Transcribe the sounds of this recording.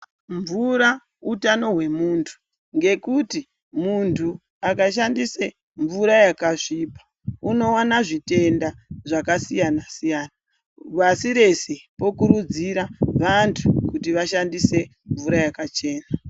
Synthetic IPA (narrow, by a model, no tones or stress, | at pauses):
ɱvuɾa | utano̞ɦwe̞muːntʰu̥ | ŋɡe̞kuti | muntʰu | akaʃandise | ɱvuɾajakaʐiːpḁ | uno̞wanaʐite̞ndaʐakasijanasijana | βasiɾe̞sepo̞kuɾud͡ziɾaʋantʰukutiʋaʃandise̞ | ɱvuɾajakat͡ʃe̞ːna